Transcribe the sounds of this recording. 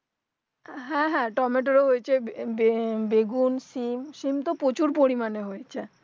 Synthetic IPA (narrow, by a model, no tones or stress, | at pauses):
ɦɛ̃ɦɛ̃ʈɔmeʈoɾoɦojet͡ɕʰebebeɡunsimʃimt̪opot͡ɕuɾpoɾimaneɦojet͡ɕʰe